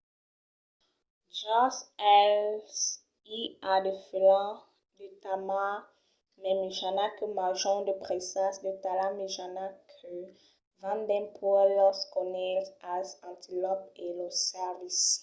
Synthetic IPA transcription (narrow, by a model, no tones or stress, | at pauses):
d͡ʒasɛls | iad̪eflɑ̃ | d̪et̪ama | mɛmiʒanakəmaʒɔ̃d̪əpʁesasd̪ət̪alameʒanakʰø | vãnd̪ɛ̃pʰɔɛlɔskɔnɛtazɑ̃t̪ʰilɔpelɔsɛvis